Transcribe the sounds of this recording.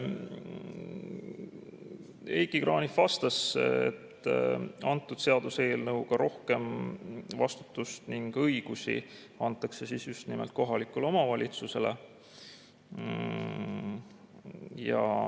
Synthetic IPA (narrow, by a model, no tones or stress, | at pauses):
ejɡiɡ̥rʔɑːnifvɑst̪ɑsḛt̪ː | ɑnt̪ːˑud̪̥se̞ɑd̪̥use̞ːlnɤuwɡ̥ɑɾo̞hke̞mvɑst̪u̥t̪ːˑust̪niŋɡ̥ɤjɡ̥usḭ | ɑnt̪ːˑɑkse̞sisjust̪nimḛlt̪̚ko̞ɦɑlikːˑulo̞mɑvɑlʲit̪suse̞le | jɑ̰